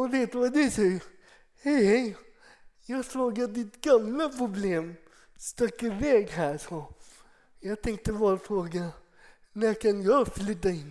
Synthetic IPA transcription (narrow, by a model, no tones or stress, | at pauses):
ɔveːt̪ʋɑd̪ʉsɛj | hɛhɛɪ | jɑːɡsloːɡəd̪ɪt̪ɡamləpʰɾʊbleːm | st̪œkːəvɛːɡɦæːsɔ | jɑːɡt̪ʰɛŋk̚t̪əʋɑːfɾoːɡa | nækʰanjɑflʏt̪ːaɪnː